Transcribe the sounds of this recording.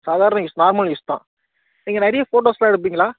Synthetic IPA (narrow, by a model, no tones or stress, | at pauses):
saːðaːɾɐɳɐ̃ɪsnaːɾmɐlɪst̪ã̰ː | niːŋɡɐnɛɾɪjɐfoːʈoːslaːɪɽɯp̬ːiːŋɡɐlaː